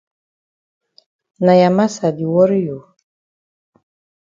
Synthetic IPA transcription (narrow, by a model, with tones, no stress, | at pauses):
na˨ja˨ma˦sa˨di˨wɔ˦ɾjo˨